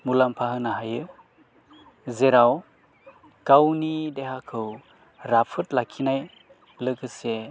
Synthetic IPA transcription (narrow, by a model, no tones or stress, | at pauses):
mulampʰahɯnaɦajɯ | zeɾaw | kawnideɦakʰɯw | ɾapʰɯtlakʰinaj | lɯkʰɯse